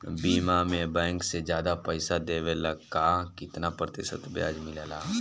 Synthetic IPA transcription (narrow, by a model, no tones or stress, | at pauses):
biːmamẽbɛ̃ːŋksed͡ʒjaːd̪apəɪsad̪eːʋeləɡkakɪt̪napɾəd̪eʃə̰t̪bja̰ːd͡ʒmɪleːlaː